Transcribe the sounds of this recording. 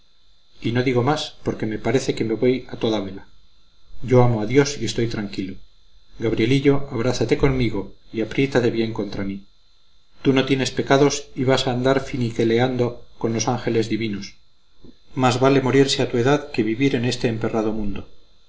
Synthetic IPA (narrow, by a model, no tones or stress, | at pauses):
ino̞ðiɣo̞maspo̞ɾke̞me̞paɾe̞θe̞ke̞me̞βo̞jat̪o̞ðaβe̞la | ɟ͡ʝo̞amo̞aðjo̞sie̞st̪o̞jt̪ɾaŋkilo | ɡaβ̞ɾje̞liʎo̞aβ̞ɾaθat̪e̞ko̞nmiɣoiapɾje̞t̪aðe̞βje̞ŋko̞nt̪ɾami | t̪uno̞t̪je̞ne̞spe̞kaðo̞siβasaːnd̪aɾfinike̞le̞and̪o̞ko̞nlo̞saŋxe̞le̞zðiβinos | mazβale̞moɾiɾse̞at̪ue̞ðaðke̞βiβiɾe̞ne̞st̪e̞ːmpe̞raðo̞mũnd̪o̞